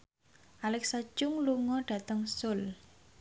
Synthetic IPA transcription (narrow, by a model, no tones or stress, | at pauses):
ʔalɛksat͡ʃʊŋluŋɔɖ̥ä̤t̪əŋsʊl